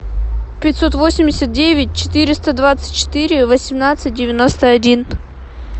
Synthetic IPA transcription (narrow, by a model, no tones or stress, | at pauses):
pʲɪtʲsot̪vo̞sʲɪmʲdʲɪsʲət̪̚dʲevʲɪt̚ʲt͡ɕɪ̥t̪ɨɾʲɪst̪əd̪vat̪sɨ̥t̚ʲt͡ɕːɪ̥t̪ɨɾʲɪvəsʲɪmnat̪sɨt̚ʲdʲɪvʲɪnost̪əɐdʲin